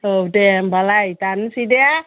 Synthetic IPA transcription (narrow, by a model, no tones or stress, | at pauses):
odembalajt̪ansidea